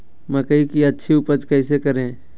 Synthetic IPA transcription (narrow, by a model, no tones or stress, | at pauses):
mɐkəikiɐtːʃʰiupəd͡ʒkɛːsekɐɾẽː